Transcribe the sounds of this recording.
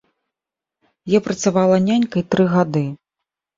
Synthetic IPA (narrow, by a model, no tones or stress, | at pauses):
jɔpɾɐt̪savalˠɐnʲanʲkɐjt̪ɾɨɣad̪ɨ